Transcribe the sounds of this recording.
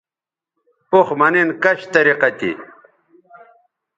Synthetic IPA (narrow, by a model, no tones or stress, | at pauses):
poχmɐninkɐɕt̪ɐɾiqɐt̪ḭ